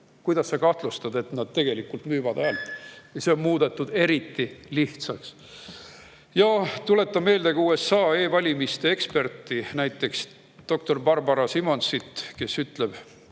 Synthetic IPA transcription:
kujd̪̥ɑsːekɑht̪lust̪ɑd̪e̞t̪nɑd̪̥t̪e̞ɡ̥e̞likːult̪myːvɑd̪̥ælt̪ˑjɑseonmuːd̪̥e̞t̪ːˑud̪̥e̞ɾit̪ːiliht̪sɑks | jɑt̪ule̞t̪ːɑme̞ːld̪̥e̞ɡ̥ɑuːe̞sːɑːe̞ːvɑlʲimist̪e̞ekspe̞rt̪ːˑinæjt̪ːˑe̞ks | d̪̥o̞k̚t̪o̞rbɑrbɑɾɑsimo̞nsit̪ːke̞syt̪ˑle̞b̥

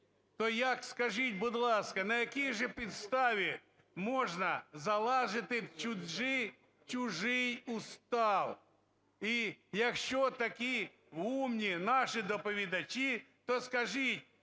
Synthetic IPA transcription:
t̪ɔjɐkskɐʒɪt̚ʲbʊd̪lˠɑskɐnɐjɐkʲijʒɛpʲit̪st̪ɑʋʲi | mɔʒnɐzɐlˠɑʒɪt̪ɪt͡ʃʊʒɪ | t͡ʃʊʒɪjʊst̪ɑw | ijɐkʃt͡ʃɔt̪ɐkʲi | ɦumnʲinɑʃɪd̪ɔpɔʋʲid̪ɐt͡ʃi | t̪ɔskɐʒɪtʲ

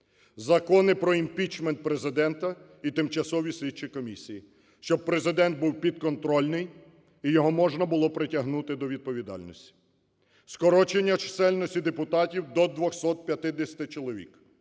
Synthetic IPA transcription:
zɐkɔnɪpɾɔimpʲit͡ʃment̪̚pɾezɪd̪ɛnt̪ɐ | it̪ɪmt͡ʃɐsɔʋʲisʲlʲit͡ʃijkɔmʲisʲiji | ʃt͡ʃɔb̚pɾezɪd̪ɛnt̪̚buwpʲid̪̚kɔnt̪ɾɔlʲnɪj | ijɔɦɔmɔʒnɐbʊlˠɔpɾɪtʲɐɦnut̪ɪd̪ɔʋʲid̪̚pɔʋʲid̪ɑ̰lʲnɔsʲtʲi̥ | skɔɾɔt͡ʃenʲːɐt͡ʃɪ̥sɛlʲnɔsʲtʲid̪epʊt̪ɑtʲiwd̪ɔd̪ʋɔxsɔt̪̚pʲjɐt̪ɪd̪esʲɐ̥t̪ɪt͡ʃɔlˠɔʋʲḭk

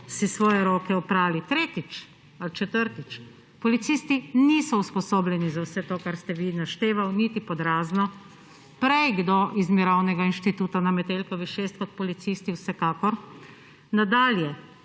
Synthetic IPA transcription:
sisʋɔːjɛɾoːkɛɔpɾaːlit̪ɾeːt̪it͡ʃ | alt͡ʃɛt̪əɾt̪it͡ʃ | pɔlit̪siːst̪inisɔuspɔsoːblɛnizawsɛt̪oːkaɾst̪ɛʋinaʃt̪eːʋawnit̪ipɔd̪ɾaːznɔ | pɾɛjɡd̪oʔizmiɾawnɛɡainʃt̪it̪uːt̪anamɛt̪elkɔʋiʃeːst̪̚kɔt̪̚pɔlit̪siːst̪iwsɛkaːkɔɾ | nad̪aːljɛ

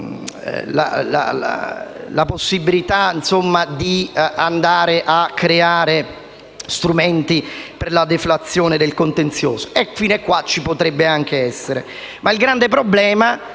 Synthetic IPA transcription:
la̰la̰la̰laposːibilit̪ansomːad̪iand̪aːɾeʔakːɾeaːɾe | st̪ɾumɛnt̪iperlad̪eflat̪sːjɔːned̪elkont̪ent̪sjɔːzo̥efinekːwat͡ʃːipot̪ɾɛbːeaŋk̟eɛsːeɾḛ | mailɡɾand̪ep̬ɾoblɛːma

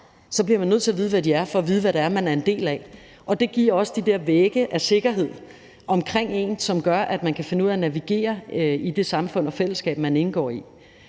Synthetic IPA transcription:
sɒ̽b̥liɐmænːøð̰ˠt͡sʰe̝ɐʋiːð̞ˠʋæd̥iæɐfɒ̽ːʋiːð̞̩ˠʋæɾ̥ææɐmænæɐe̝nd̥e̝̰ːlæ | ʔɒ̽d̥e̝ɡ̥iɐ̰ɒ̽səd̥id̥eɐʋeːɡ̥əʔæse̝ɡ̥ɐɦe̝ð̞̰ˠ | ʔɒ̽mkʰʁeŋ̰e̝̰ːnsɒ̽mɡ̥ɶɐʔæd̥mænkʰæfe̝nəuðˠænæʋiɡ̥e̝̰ːɐid̥e̝sɑ̈mfɔ̽n̰ɒ̽fel̰əsɡ̥ɛ̰ːb̥mæne̝nəɡ̥ɒ̰ːi

